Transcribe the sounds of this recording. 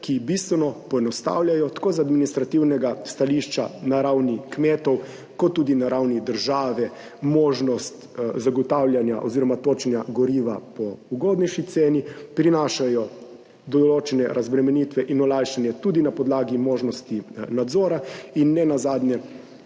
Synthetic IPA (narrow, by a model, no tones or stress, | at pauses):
kibist̪ʋɛnɔpɔeɛnɔst̪a̰wljajɔt̪ḁkoːzad̪minist̪ɾat̪iwnɛɡast̪aliʃt͡ʃanaɾawnikmeːt̪ɔw | kɔt̪ːuːd̪inaɾawnid̪əɾʒaːʋɛ | moːʒnɔst̪ | zaɡɔt̪awlʲjanja̰ʔɔziːɾɔmat̪oːt͡ʃɛnjaɡɔɾiːʋa̰pɔuɡoːd̪nɛʃit̪seːnipɾinaːʃajɔ | d̪ɔɔloːt͡ʃɛnɛɾazbɾɛmɛniːt̪ʋɛʔinɔlajʃanjɛt̪ud̪inapɔd̪laːɡimoːʒnɔst̪inad̪zɔːɾainːɛnazaːd̪njɛ